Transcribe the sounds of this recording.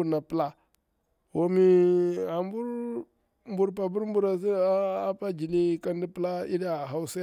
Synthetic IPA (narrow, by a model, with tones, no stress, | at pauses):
u˨na˨pla˦ | wo˦mi˦a˨mbu˦ɾ | mbu˨ɾpa˨bu˦ɾm˦bu˦ɾa˨s̬i˦a˦pa˦d͡ʒi˨ni˦ka˦ndi˦pə˦la˦ḭ˦da˦˨ɦa˦u˦sa˦